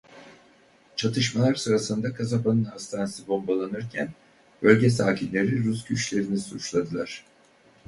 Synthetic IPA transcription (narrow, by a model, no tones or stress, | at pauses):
t͡ʃʰat̪ʰɯʃmalˠaɾsɯɾasɯnd̪akʰazapanɯnhast̪ʰansibo̞mbolˠanɯɾcʰæn | bø̞lʲɟɛsaːcʰinlʲe̞ɾiɾusɟyt͡ʃlʲe̞ɾinisut͡ʃlˠad̪ɯlˠaɾ̥